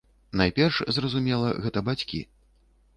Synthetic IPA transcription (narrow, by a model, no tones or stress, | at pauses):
najpʲɛrʂzrɐzumʲɛlˠɐ̰ɣɛt̪ɐbat͡sʲkʲḭ